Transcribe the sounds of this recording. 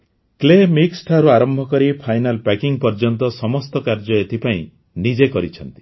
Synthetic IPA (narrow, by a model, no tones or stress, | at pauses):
klemiksʈʰaɾuaɾɔmbʱɔkɔɾipʰajnalpakiŋpɔɾd͡ʒɔnt̪ɔsɔmɔst̪ɔkaɾd͡ʒɔet̪ʰipaĩ | nid͡ʒekɔɾit͡ʃʰɔnt̪i̥